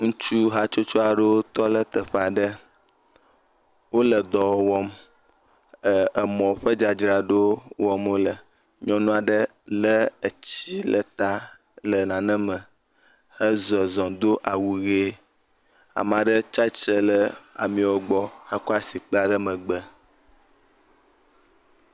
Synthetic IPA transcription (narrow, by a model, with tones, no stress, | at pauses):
ŋũ˦t͡ʃu˦ɦa˦t͡ʃo˦t͡ʃo˦a˨ɖe˦wo˦t̪ɔ˦lə˦t̪ə˨ɸa˨ɖə˦ | wo˦lə˨d̪ɔ˨˦wɔ˦m | ə˨ə˨mɔ̃˨ɸə˦d͡ʒa˨d͡ʒɾa˨ɖo˦wɔ˦mwo˦lə˨ | ɲɔ̃˦nũ˦a˨ɖə˦ | lə˦ə˨t͡ɕi˦lə̰˨t̪a˦ | lə˨nã˨nə̃˦mə̃˨ | hə˦zɔ˨zɔ̃˨d̪o˦ʔa˨wu˨ɣe˦ | a̰˨mã˨ɖə˦t͡ʃa˦t͡ʃə˦lə˦a̰˨mĩ˨wo˦ɡ͡bɔ˦hə˦kɔ˦a˨si˨k͡pla˨ɖə˦mə̃˨ɡ͡bə˦